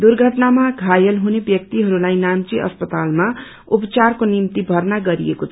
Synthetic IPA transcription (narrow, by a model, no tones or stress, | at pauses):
d̪urɡʱʌʈnamaɡʱajʌlɦunebjʌk̚t̪iɦʌɾulajnamt͡siʔʌ̰spʌt̪alma | upt͡sarkonimt̪ibʱʌrnaɡʌɾiekot͡sʰ